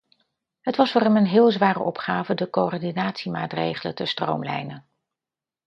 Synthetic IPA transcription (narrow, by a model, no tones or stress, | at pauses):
ɦətʋɑsfʊːrɛmənɦɪːlˠzʋaːrə̰ʔɔpχaːvədəkoɔɹdinaːtsimaːtrḛjχələ̰təstro̰wmlɛ̰jnən